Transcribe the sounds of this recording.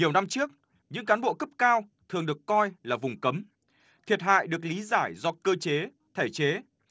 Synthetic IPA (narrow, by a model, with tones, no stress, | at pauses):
ɲi˨˩əwna˧mt͡ɕɨ˦˥ək̚ | ɲɨ̰˧˥ŋkaː˨˦nɓo̰˧˨kə˦˥p̚kaː˧wt̪ʰɨ˨˩əŋɗɨ˨˩əkːɔ˧jlaː˨˩vʊ˨˩ŋ͡mkə˨˦m | t̪ʰi˨˩ət̚ɦha̰ː˧˨jɗɨ˨˩ək̚li˨˦zaː˧˩jzɔ˧kəː˧t͡ɕe˨˦ | t̪ʰe˧˩t͡ɕe˨˦